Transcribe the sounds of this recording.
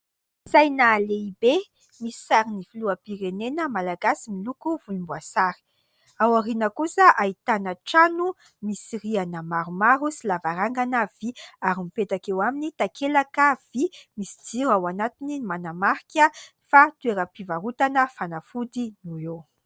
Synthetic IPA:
zajnaleibe | misi̥saɾinifiluapiɾenenəmalaɡasimilukuvuimbuasaɾi̥ | awaɾinəkusəʔait̪anəʈ͡ʂanu | misirianəmaɾumaɾusilavaɾaŋɡanəv̥iaɾimipet̪akewaminit̪akʰelakəv̥imisid͡ziɾawanat̪inimanamaɾikʲə | fat̪ueɾəpivaɾut̪anəfanafud̪inue

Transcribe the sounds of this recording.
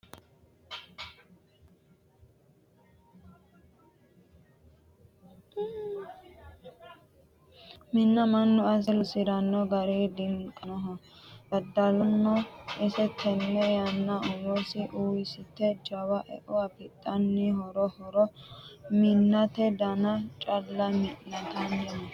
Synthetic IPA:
mɪnːɐmɐnːʊɐs̬lʊsɪɾɐnːɔɡɐɾeːd̪ɪŋkʼɐnɔɦɐɐd̪ɐlɔnːɔʔɪsɛt̪ʰɛmːɛjɐnːɐʊwɔsɪʔuːjɪsɪt̪ːɛd͡ʒɐwɐʔɛ̰ʔʊɐpɪt̪ʼːɐnːɪhɔɾɔhɔɾɔmɪnːɐt̪ɛd̪ɐnɐt͡ʃʼɐlːɐmɪʔnɐt̪ɐnjɛnɔ

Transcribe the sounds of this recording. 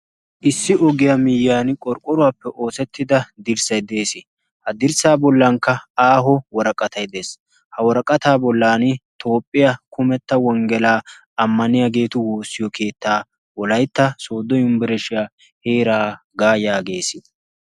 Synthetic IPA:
ʔɪsːɪʔɔɡɪjamɪjːaːnɪkʼɔɾkʼːɔɾʊwaːpːɛʔo̞ːsɛt̪ːɪd̪ɐd̪ɪɾsɐjd̪e̞ːsɪ | hɐd̪ɪɾsaːbɔlːɐŋkːɐaːɦɔwɔɾɐkʼɐt̪ɐjd̪e̞ːs | hɐwɔɾɐkʼɐt̪aːbɔlːaːnɪt̪o̞ːpʼːɪjɐkʊmɛt̪ːɐwɔŋɡɛlaː | ɐmːɐnɪjaɡe̞ːt̪ʊwoːsːɪjɔkʰe̞ːt̪ːaː | wɔlɐjt̪ːɐsoːd̪ɔjʊmbɪɾɛʃɪja | heːɾaː | ɡaːjaːɡe̞ːsɪ

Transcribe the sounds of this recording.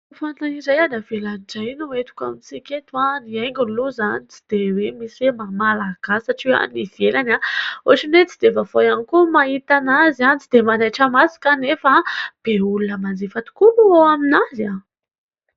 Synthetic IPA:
fant̪aizajanav̥elaniʈ͡ʂainuet̪u̥kamisikʲet̪uaniajŋɡʲunluzanit͡si̥d̪̥ewemisemamalaɡ̥asaʈ͡ʂiwa̰niv̥elanaoʈ͡ʂinet͡sid̪̥evavojanikumait̪anazanit͡sid̪emanajʈ͡ʂəmasi̥kanefab̥eulunəmand͡zifat̪u̥kuluoaminaza

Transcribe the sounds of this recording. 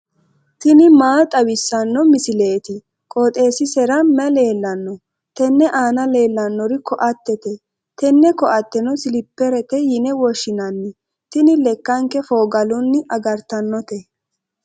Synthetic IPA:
t̪ɪnɪmaːt̪ʼɐwɪsːɐnːɔmɪsɪle̞ːt̪ɪ | kʼɔt̪ʼe̞ːsɪsɛɾɐmɐle̞ːlːɐnːɔ | t̪ɛnːɛʔaːnɐle̞ːlːɐnːɔɾɪkɔʔɐt̪ːɛt̪ɛ | t̪ɛnːɛkɔʔɐt̪ːɛnɔsɪlɪpːɛɾɛt̪ɛjɪnɛwɔʃːɪnɐnːɪ | t̪ɪnɪlɛkːɐŋkɛfo̞ːɡɐlʊnːɪʔɐɡɐɾt̪ɐnːɔt̪ɛ

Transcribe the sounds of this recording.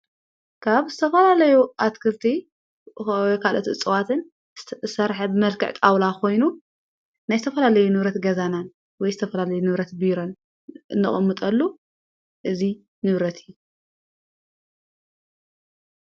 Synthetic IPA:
kʰaβzɨt̪ʰɐfɐlalɐjuʔat̪kʰɨlt̪ʰi | kʰalʔot̪ɨt͡sʼɨwat̪ʰɨn | sɐɾħɐbɨmɐlkɨʕt̪ʼawlakʰo̞jnu | najzɨt̪ʰɐfɐlalɐjunɨβɾɐt̪ɡɐzanan | wɔjzɨt̪ʰɐfɐlalɐjunɨβɾɐt̪biɾon | ʔɨnːɨχʼɐmːɨt̪ʼɐlːo | ʔɨzi | nɨβɾɐt̪ʰɪjːu

